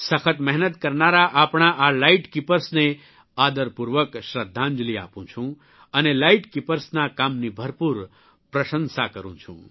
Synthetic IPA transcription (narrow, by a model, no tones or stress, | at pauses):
səkʰət̪mɛɦnət̪kəɾnaɾaʔapɳaʔalaiʈkipəɾsne | ad̪əɾpuɾʋəkʃɾəd̪ʱːãɲd͡ʒlia̰pũt͡ʃʰũ | ənelaiʈkipəɾsnakamnibʱəɾpuɾ | pɾəʃə̃nsakəɾṵ̃t͡ʃʰṵ̃